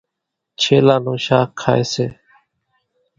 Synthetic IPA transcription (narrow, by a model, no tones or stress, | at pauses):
t͡ʃʰeːlãːnũːʃaːkʰːa̰ːeːseː